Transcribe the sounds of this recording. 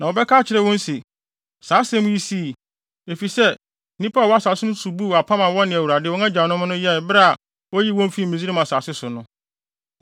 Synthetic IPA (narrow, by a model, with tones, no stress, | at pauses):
nã˨wɔ˨bɛ˦kʰaː˦t͡ɕʰɪ˨ɾɛ˦wɔ̃˦n˦si˨ | saː˨˦sɛ˦mʊ̃˦ji˦si˦˨ | e˨fi˨sɛ˦ | nĩ˦pʰa˦˨wɔ˦a˦sa˨sɪ˦nʊ̃˦su˨bu˦wa˨pʰa˦mã˨wɔ̃˦nɪ̃˨æ˨wu˨ɾa˨dɪ˦˨ɔ˦ã˦d͡ʑa˨nʊ̃˦m˦nʊ̃˦jɛ˦n˨bɾa˦˨a˨ | wɔ˦ji˦wɔ̃˦m˦fi˦˨mĩ˨zi˦i˦mã˨sa˨sɪ˦sʊ˨nʊ̃˦